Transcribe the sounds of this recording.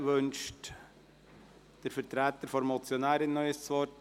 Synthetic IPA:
ʋønʃt | d̥əɾfəɾtɾæːt̪əɾfɔɾmɔt͡sjonæːɾɪnːœʏəst͡sʋɔt

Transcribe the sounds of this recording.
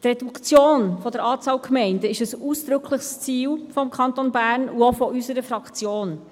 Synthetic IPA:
t̪rɛdukt͡sjoːnfɔd̥əɾɑːt͡sɑːlkʰmɛɪndəɪʃəsuːsd̥̪ɾʏkʰləxst͡siːlfɔmkʰɑnt̪onbæːɾnuofɔʔysəɾəfɾɑkt͡sjoːn

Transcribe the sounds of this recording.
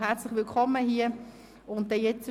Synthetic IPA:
ɦɛɐt͡slɪχʋɪlkʰɔmːəɦiːə | ʊnt̚d̥ɛjɛt͡s

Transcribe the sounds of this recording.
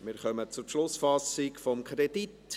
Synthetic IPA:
mɪːɾχœmət͡sʊɾʃlʊsfɑsɪkfɔmkʰɾɛd̪it

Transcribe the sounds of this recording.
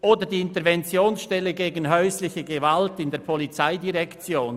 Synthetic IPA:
ʔoːdədiːɪntəʁvɛnt͡sjoːnsʃtɛləɡeːɡn̩ɦœʏslɪçəɡevaltɪndeːɐpʰɔlit͡saɪdiʁɛkt͡sjoːn

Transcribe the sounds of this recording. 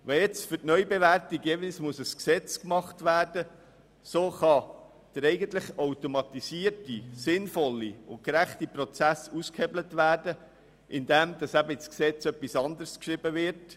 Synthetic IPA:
ʋɛjɛt͡sfʏrtnœʏbeʋærtiɡjeːʋɪlsmʊsəsksɛt͡skmɑχtʋæːrd̥ə | soːχɑ | d̥əɾɛɪɡəntlɪχawtomɑt̪isiːərtisɪnfɔlːiʊ̰nkɾæχtipɾɔt͡sæsuskhɛblətvæːrdə | ʔɪnd̥̪ɛmd̪̥ɑsæbəɪt͡sksɛt͡sœpːisɑnd̪əɾskʃɾɪbəʋɪɾt

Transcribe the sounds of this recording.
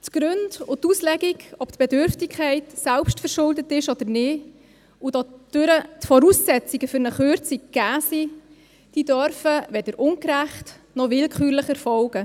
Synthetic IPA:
tɡ̥ɾʏndʊt̪uslɛɡiɡɔpt̪b̥edʏɾftɪkʰːɛɪtsɛlpʃtfəɾʃʊldətɪʃɔd̥̪ənɪ | ʊdɔd̥ʏɾətfɔɾusːɛt͡siɡəfʏɾnəχøɾt͡sikɡ̥æːsiː | d̥iːdœɾfəʋɛdəɾʊŋkɾæχt | nɔʋɪlkχyːɾləχɛɾfɔlɡ̥ə

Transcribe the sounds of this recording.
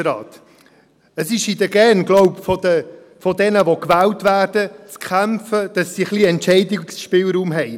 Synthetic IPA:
ɾɑ̰ːt̪ | əsɪʃid̪əɡɛnɡlɔʊpfɔdə | fɔdɛnəʋokvæːltvæːrd̥ət͡skʰæmfəd̥ɑsːiχliɛntt͡ʃɛɪdɪsʃpɪːlɾuːmɦɛɪ

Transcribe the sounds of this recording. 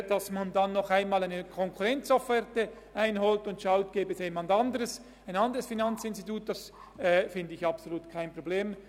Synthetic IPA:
d̥ɑsmandɑnːɔχaɪnmɑːlaɪnəkʰɔŋkʰʊʁɛnt͡sofɛrtə | ʔaɪnɦɔːltʊntʃaʊt̚ɡ̥eːbəɛsjeːmandɑndəʁəs | aɪnɑndəʁəsfinɑnt͡sɪnstitʰuːt̚d̥ɑs | ɛːfɪndəɪçɑpsoluːtkʰaɪnpʁ̥obleːm

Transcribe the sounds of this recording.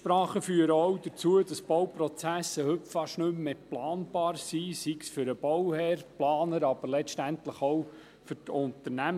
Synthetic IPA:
ʃpɾɑːχəfyːəɾəɔwd̥ət͡suəd̥ɑsb̥ɔwpɾɔt͡sæsəhɵpfɑʃnɵmːeplɑːnb̥ɑːɾsisiksfʏɾəb̥ɔwhɛɾplɑːnəɾɑbəɾlɛʃtænt̪ləχɔw | fʏɾtʊnt̪əɾnæm

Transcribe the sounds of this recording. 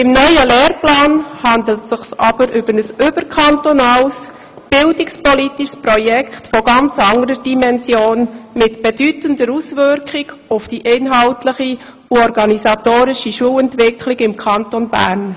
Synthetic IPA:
ɪmnœʏəleːrplɑːnhɑnd̪l̩tsɪχsɑb̥əɾʔʏb̥ənəsʏb̥əɾkʰɑntonɑːls | b̥ɪldɪkspɔlitiʃspɾɔjɛkχtfoɡɑnt͡sɑŋəɾəd̥imɛnsjoːnmɪtb̥ɛd̥ytəndəɾusʋʏɾkʰɪɡ | ʊfd̥iʔeːnɦɑʊtləχi | ɔɾɡɑnisɑtoːɾɪʃiʃuəlɛntʋɪkʰlɪɡɪmkʰɑntonbæ̰ːɾn

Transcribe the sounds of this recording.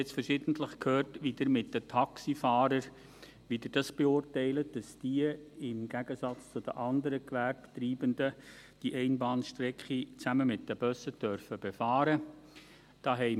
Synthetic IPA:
ɛt͡sfəɾʃɪdən̩tləχkʰhøːrtʋid̪əɾmɪtdətʰɑksifɑːɾəɾ | ʋid̪ɪd̥ɑsb̥eʊrtɛɪlət̚d̥ɑsd̥iəɪmɡ̥æɡəsɑt͡st͡sʊd̥ə̰ʔɑndəɾəkʋærbtriːbənd̪ə | d̥iʔɛɪnbɑːnʃtɾɛkχit͡sæməmɪt̚dəb̥œsəd̥œɾfəb̥efɑːɾə | d̥ɑːɦɛɪ

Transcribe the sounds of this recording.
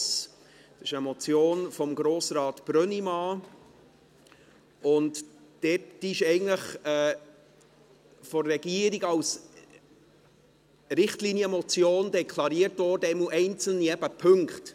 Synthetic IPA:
s | d̥ɛɪʃəmɔt͡sjoːnfɔmɡɾoːsɾɑːtb̥ɾœnimɑː | ʊntd̥ɛtd̥iʃɛɪɡən̩tləχɛː | fɔɾːɛɡiːəɾiɡɑws | ɾɪχtliːnjəmɔt͡sjoːndɛkʰlɑɾiːəɾtdoːdɛmuʔɛɪnt͡sl̩niɛb̥əpʰʏŋkt

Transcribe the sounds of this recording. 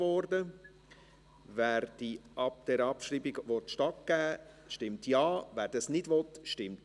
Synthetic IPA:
ɔɾdə | væːɾd̥iʔɑp̚d̥ɛɾɑpʃrɾiːbiɡvɔtʃtɑt̚ɡ̥æː | ʃtɪmtjɑːvæːɾd̥ɑsnɪdvɔtʃtɪmt

